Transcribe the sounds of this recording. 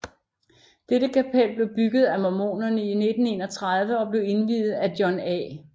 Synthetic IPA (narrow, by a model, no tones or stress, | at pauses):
d̥edəkʰæpʰel̰b̥le̝ʊb̥yɡ̥ð̞̩ˠæmomo̝̰ːnɐnəine̝d̥n̩e̝ːnɒt͡sʰʁað̞ˠʋəɒ̽b̥le̝ʊe̝nʋiːð̩ˠæd̥jɒnɛ̰ː